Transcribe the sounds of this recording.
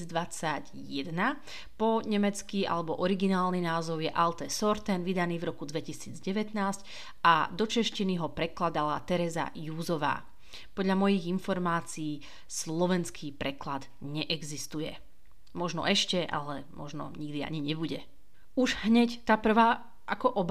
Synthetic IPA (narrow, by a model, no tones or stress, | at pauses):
d̪ʋat͡saɟ | jɛd̪na | pɔɲɛmɛt͡skia̰lɛbɔʔɔɾiɡinaːlninaːzɔʊjɛʔalt̪ɛsɔɾt̪ɛnʋid̪aniːvɾɔkud̪ʋɛcisiːd͡zɟɛʋɛt̪naːsc | ad̪ɔt͡ʃɛʃciniɦɔpɾɛklad̪alat̪ɛɾɛza̰juːzɔʋa̰ː | pɔd̪ʎamɔjiɣinfɔɾmaːt͡siː | slɔʋɛnskʰipɾɛklad̪ | ɲɛʔɛɡzist̪ujɛ̰ | mɔʒnɔ̰ʔɛʃcɛʔa̰lɛmɔ̰ʒnɔ̰ɲiɡd̪ia̰ɲiɲɛbuɟɛ | uʒɦɲɛct̪apr̩ʋaː | ʔakɔʔɔb